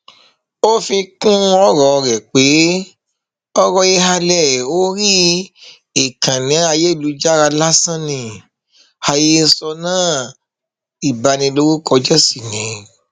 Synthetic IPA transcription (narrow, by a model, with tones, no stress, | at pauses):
o˦fi˧kũ˦ɔ˦ɾɔ˨˧ɾɛ˨k͡pe˨˦ | ɔ˦ɾɔ˧ie˧ɦa˧lɛ˦˨o˦ɾi˦ | e˨kã˨nĩ˨˦a˧je˦i˦˨lu˨˦d͡ʒa˦ɾa˧la˦sã˦nĩ˧ | ha˧je˦sɔ˧nãː˦˨ | i˨ba˧nĩ˧lo˦ɾo˦kɔ˧d͡ʒɛ˦si˦˨nĩ˨˦